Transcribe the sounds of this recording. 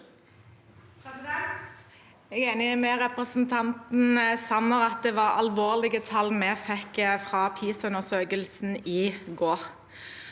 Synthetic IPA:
ɛ | ɛɡeːnɪmɛʁɛpʁəsnt̪ʰɑnt̪n̩sɑnːəʁɑt̪̚d̪ɛʋɑʁɑ̰lʋoːʁlɪɡət̪ʰɑlːmɛfɛkːəfʁɑpʰiːsʉnəsøːkəlsn̩iːɡoːʁ

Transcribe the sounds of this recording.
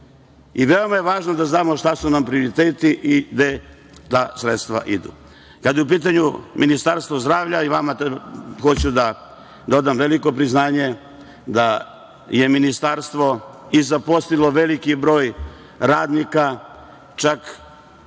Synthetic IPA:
iʋe̞o̞majeʋaːʒnod̪aznaːmo̞ʃt̪asunampɾio̞ɾit̪eːt̪iʔiɡd̪e | t̪aːsɾet̪st̪ʋa̰ʔid̪ṵ | kad̪jeup̬iːt̪̬aɲuminist̪aɾst̪ʋo̞zd̪ɾaːʋʎaiʋamat̪xo̞t͡ɕud̪a | d̪o̞d̪amʋeliko̞pɾiznaːɲe̞ | d̪a | je̞minist̪aɾst̪ʋo̞izapost̪ilˠo̞ʋelikibɾo̞ːj | ɾaːd̪nika | t͡ʃak

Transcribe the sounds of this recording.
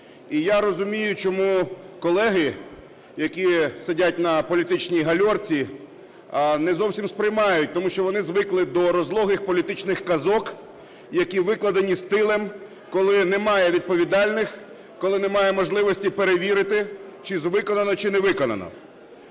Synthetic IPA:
ijaɾɔzʊmʲijʊt͡ʃɔmukɔlˠɛɦɪ | jɐkʲisɪdʲatʲnɐpɔlʲit̪ɪt͡ʃnʲijɦɐlʲɔrt͡sʲi | nɛzɔwsʲimspɾɪjmɑjʊt̚ʲt̪ɔmuʃt͡ʃɔʋɔnɪzʋɪklˠɪd̪ɔɾɔzlˠɔɦɪxpɔlʲit̪ɪt͡ʃnɪxkɐzɔk | jɐkʲiʋɪklˠɐd̪ɐnʲist̪ɪlˠɛm | kɔlˠɪnɛmɑjɛʋʲid̪̚pɔʋʲid̪ɑlʲnɪx | kɔlˠɪnɛmɑjɛmɔʒlˠɪʋɔsʲtʲipeɾeʋʲiɾɪt̪ɪt͡ʃɪzʋɪkɔnɐnɔt͡ʃɪnɛʋɪkɔnɐ̰nɔ̰

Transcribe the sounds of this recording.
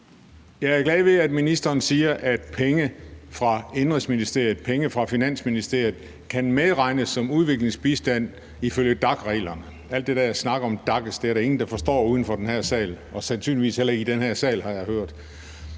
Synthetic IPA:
jɑ̈ɪæɐɡ̥lɛðˠʋe̝æd̥minisd̥ɐːnsiːɐʔæd̥pʰeŋəfʁɑ̈end̥ʁeŋsminisd̥e̝ɐ̰jð̩ˠpʰeŋəfʁɑ̈finæn̰sminisd̥e̝ɐ̰jð̩ˠ | kʰænmeðˠʁɑ̈ɪ̰nəsːɒ̽muð̞ˠʋe̝ɡ̥le̝ŋsb̥isd̥æn̰ | iføljəd̥ɑ̈ɡ̥ʁɛ̰ːlɐnə | æl̰d̥ːedæjaɪsnɑ̈ɡ̥ɐɒ̽md̥ɑ̈ɡ̥əsd̥eæɐɾæe̝ŋn̩d̥ɑ̈fɒ̽sd̥ɒ̰ːuːð̞ˠn̩fɒ̽d̥enhæɐ̰sɛ̰ːlɒ̽sænsy̰nliʋḭːshelɐid̥enhæɐ̰sɛ̰ːlhɑ̈jɑ̈ɪhøɐ̰d̥

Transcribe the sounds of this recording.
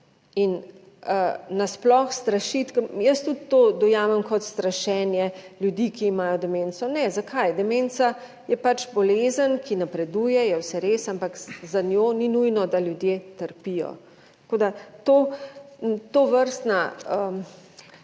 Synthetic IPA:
in | ənasplɔxst̪ɾaʃit̪kjəst̪ut̪ːoːd̪ɔjaːmɛmkɔt̪st̪ɾaʃɛːnjɛljud̪ikiːmaːjɔd̪ɛmeːnt͡ssɔnɛzakʰajd̪ɛment͡ssa | jɛpat͡ʃbɔleːzənkʰinapɾɛd̪uːjɛjɛwsɛɾesampakzanʲjoːninujnɔd̪aljud̪jet̪əɾpijɔ̰ | t̪koːd̪at̪oː | t̪oːʋəɾst̪naə

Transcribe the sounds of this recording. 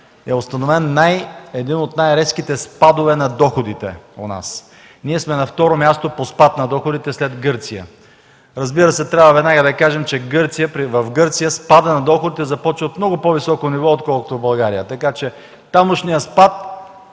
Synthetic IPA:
ɛost̪ɐnovɛnːajɛd̪inot̪najɾɛskit̪ɛspad̪ovɛnɐd̪ɔxod̪it̪ɛ̰ona̰s | niɛsmɛnɐft̪ɔɾomʲjast̪opospat̪nɐd̪ɔxʊd̪it̪ɛslɛd̪ɡɤɾt̪sijə̰ | ɾɐzbiɾəsɛt̪ɾʲjavəvɛd̪naɡəd̪ɐkaʒɛmt͡ʃɛɡɤɾt̪sijəpɾivɐfɡɤɾt̪sijəspad̪ənɐd̪ɔxʊd̪it̪ɛzɐpɔt͡ʃvt̪mnɔɡʊpɔvisɔkonivɔot̪kɔlˠko̥t̪obɐlˠɡaɾijət̪ɐkat͡ʃɛ | t̪amʊʃnijəspat̪̚

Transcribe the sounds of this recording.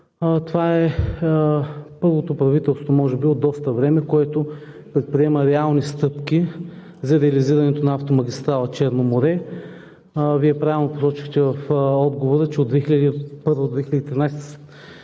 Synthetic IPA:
t̪ovaɛ | pɤɾlˠot̪opɾɐvit̪ɛlˠst̪vomɔʒɛbiod̪ːɔst̪əvɾɛmɛkoɛt̪o | pɾɛt̪̚pɾiɛməɾɛalˠnist̪ɤpki | zɐɾɛɐliziɾɐnɛt̪onɐaft̪omɐɡ̟ʲist̪ɾalˠɐt͡ʃɛɾnomoɾɛ | viɛpɾavʲilˠnopo̥sɔt͡ʃi̥xt̪ɛvɐfɔd̪ɡovoɾət͡ʃɛod̪vɛxilʲɐd̪ipɤɾvɐd̪od̪vɛxiləd̪it̪ɾinajst̪s

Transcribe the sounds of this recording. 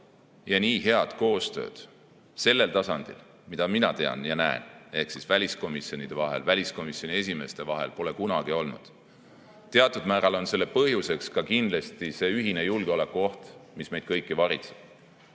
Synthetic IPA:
jɑniːɦe̞ɑd̪̥ko̞ːst̪ø̞̰ːd̪̥ | se̞lːe̞lt̪ɑsɑnd̪̥ḭl | mid̪̥ɑminɑt̪e̞ɑ̰njɑnæḛne̞hksisvælʲisko̞misjo̞nid̪̥e̞vɑɦe̞̰lvælʲisko̞misjo̞nʲie̞s̬ʲime̞st̪e̞vɑɦe̞̰lpo̞le̞kunɑɡ̥io̞lnṵd̪̥ | t̪e̞ɑt̪ːˑud̪̥mæːɾɑlo̞nse̞lːe̞pɤɦjuse̞kskɑkind̪lest̪ise̞ːyɦine̞julɡ̥eole̞kːuo̞ht̪misme̞jd̪̥̚kɤjkːivɑɾit̪se̥b̥̚

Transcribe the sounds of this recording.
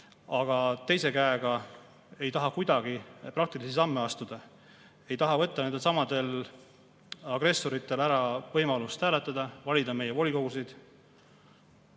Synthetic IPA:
ɑɡ̥ɑt̪e̞jse̞kæeɡ̥ɑ | e̞jt̪ɑɦɑkujd̪̥ɑɡ̥iprɑk̚t̪ilisisɑmːe̞ɑst̪ud̪̥ɑ | e̞jt̪ɑɦɑvɤt̪ːɑnend̪e̞lsɑmɑd̪̥e̞l | ɑɡ̥re̞sːoɾit̪ːˑe̞læɾɑvɤjmɑlust̪hæːlet̪ːˑɑd̪̥ɑvɑlʲid̪ɑme̞je̞vo̞lʲiko̞ɡ̥usid̪̥

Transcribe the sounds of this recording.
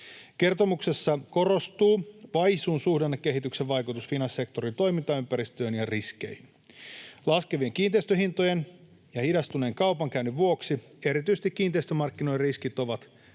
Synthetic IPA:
ke̞rt̪o̞mukse̞sːɑko̞ro̞st̪uːʋɑjsunsuhdenːɑkːe̞ɦit̪ykseʋʋɑjkut̪usfinɑnsse̞kt̪o̞ɾint̪o̞jmint̪ɑympæɾist̪øːnjɑriskḛjn | lɑske̞ʋieŋkiːnt̪eist̪øɦint̪o̞jen | jɑhidɑst̪uneːŋkɑwpɑŋkæynyʋʋuo̞ksi | e̞ɾit̪yjset̪ikːiːnt̪eist̪ømɑrkːino̞iriskit̪o̞ʋɑt̪

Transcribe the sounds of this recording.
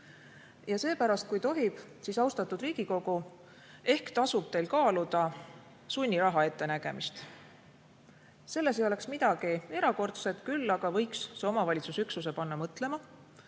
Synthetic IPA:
jɑse̞ːpæɾɑst̪̚kujt̪o̞ɦib̥ | sisɑwst̪ɑt̪ːˑud̪riːɡ̥iko̞ɡ̥u | e̞hkt̪ɑsub̥̚t̪e̞jlkɑːlud̪̥ɑ | sunʲːiɾɑɦɑe̞t̪ːe̞næɡ̥e̞̰mist̪ | se̞lːe̞s̬ejo̞le̞ksmid̪̥ɑɡ̥ie̞ɾɑko̞rt̪set̪kylːɑɡ̥ɑvɤ̞jksːeo̞mɑvɑlʲit̪susyksus̬e̞pɑnːɑmɤt̪ˑle̞mɑ

